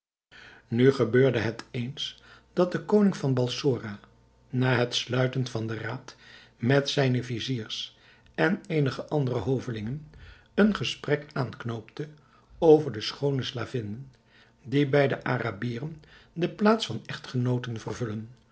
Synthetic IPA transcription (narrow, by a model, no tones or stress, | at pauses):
nyχəbøːɹdəɦətʰejns | d̥ɑt̚dəkownɪŋvɑnbɑlˠsʊːra | naːɦətslœɥtənvɑndəraːt | mɛtsɛjnəviziːrs | ɛnejnəχəʔɑndərəɦowvəlɪŋən | ənχəsprɛkaːnknowptə | owvəɹdəsχownəslaːvɪnən | dibɛjdəʔa̰ːrabiːrən | dəplaːtsfɑnɛχtχənowtənvərvɵlən